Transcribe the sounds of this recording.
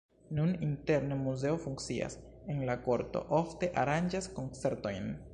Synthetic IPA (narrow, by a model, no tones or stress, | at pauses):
nuninte̞ɾnemuze̞ofuŋk̚t͡sia̰senlako̞ɾto̞̰ʔofte̞ʔaɾand͡ʒasko̞nt͡se̞ɾto̞jn